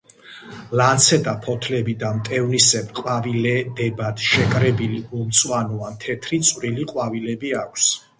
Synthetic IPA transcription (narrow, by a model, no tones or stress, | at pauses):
lant̪sʰɛd̪apʰɔt̪ʰlɛbid̪amt̪ʼɛvnisɛpqʼwavilɛd̪ɛbad̪̥ʃɛkʼɾɛbiliumt̪sʼwanɔant̪ʰɛt̪ʰɾit̪sʼwɾiliqʼwavilɛbiakʷʰs